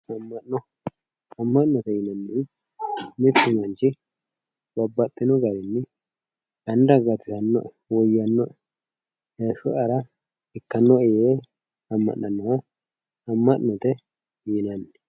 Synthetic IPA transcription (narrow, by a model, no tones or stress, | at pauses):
ɐmːɐnnɔ | ɐmːɐʔnɔt̪ɛjɪnɐnːɛ | mɪt̪ːʊmɐnt͡ʃɪ | bɐbːɐt̪ʼːɪnɔɡɐɾɛnːɛ | ɐnd̪ɐɡɐt̪ːɪt̪ɐnːɔʔɛ | wɔjɐnːɔʔ | ɛʃʊʔɐɾɐ | ɪkːɐnːɔɛje | ɐmːɐ̰ʔɐnːɔwɐ | ɐmːɐʔnːɔt̪ɛ | jɪnɐnː